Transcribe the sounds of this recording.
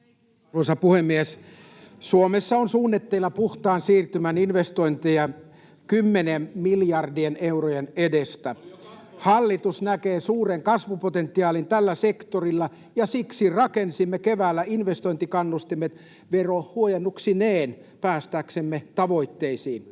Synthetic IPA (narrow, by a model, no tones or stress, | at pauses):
uosɑpuhemːies | suomesːɑonsuːnːet̪ːeilːɑpuht̪ɑːnsiːrt̪ymæninʋest̪oint̪ejɑ | kymːenemmiljɑrdieneurojenedest̪æhɑlːit̪usnækeːsuːreŋkɑsʋupot̪ent̪ːiɑːlint̪ælːæsekt̪orilːɑ | jɑsiksirɑkensimːekeʋæːlːæinʋest̪oĭnt̪ikɑnːust̪imet̪ | ʋerohuojenːuksineːn | pæːst̪æːksemːet̪ɑʋoit̪ːeisiːn